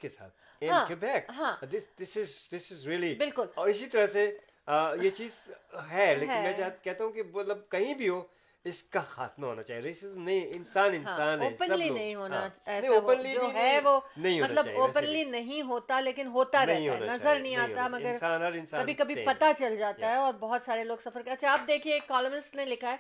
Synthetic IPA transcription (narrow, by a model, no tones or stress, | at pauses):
ɪskesa̰ːt̪̚ʰ | ɛ̃ɦãːɪbɛːkɦãːd̪ɪsd̪ɪsɪzd̪ɪsɪzɾiəlibɪlkʊlɔːɾɪsit̪ɐɾəse | jet͡ʃiːzɦɛleːɦɪ̃nmɛ̃t͡ʃakɛɦt̪aɦũkimɐt̪ləb̚kɐɦĩbʱio | ɪskaxa̰ːt̪maɦo̰ːnat͡ʃaːɦieɾeːsɪzmnɐɦĩɪ̃nsaːnɪ̃nɦasaːnːpə̃nɐliːnɐɦĩɦoːnaɛːɐ̃ĩoːpə̃nlioɦɛ̃ʋoːnɐɦĩɦomɐtaləbaoːppənliːnɐɦĩɦoːt̪aleːkɪnɦoːt̪aɾɛɐɦĩɦaoːnanɐazaəɾnɐɦĩaːt̪aɛmɐɡəɾsaːnɔɾɪ̃nsaːkɐbʱikɐbʱipɐt̪at͡ʃɐld͡ʒaːt̪aɦɛɔːɾbɔɦʊt̪saːɾeloːɡsɐfəɾkɐtːʃʰaɐp̚d̪eːkʰiekːɔːlmɪnɪsʈnelɪkʰaɦɛː